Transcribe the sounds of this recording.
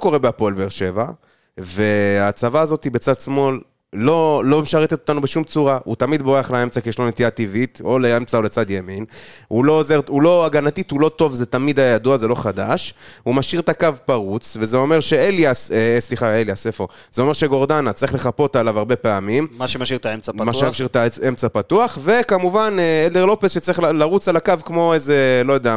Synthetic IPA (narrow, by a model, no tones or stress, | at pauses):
ko̞ʁebeapo̞lbeeʁʃe̞va | ve̞at͡savaːzo̞t̪ibe̞t͡sad̪smo̞lː | o̞lo̞meʃaʁet̪et̪ot̪anubeʃumt͡suʁaut̪amid̪boʁeaχlee̞mt͡sakijeʃlo̞net̪ijat̪ivit̪o̞leemt͡sao̞le̞t͡sad̪jeminulo̞ːzeʁulo̞aɡanat̪it̪hulo̞t̪o̞vzet̪amid̪ajajad̪uazelo̞χad̪aʃumaʃiʁt̪akavpaʁut͡svezeo̞me̞ʁʃeeljasesliχaeljasefo | zeo̞me̞ʁʃeɡo̞ʁd̪anat͡saʁiχleχapo̞t̪alavaʁbe̞pe̞amimmaʃeaʃiʁt̪aemt͡samaemaʃiʁt̪aemt͡sapat̪uaχve̞kamuvaneeld̪eʁlo̞pesʃet͡saʁiχlaʁut͡salakavkmo̞eze̞lo̞jadea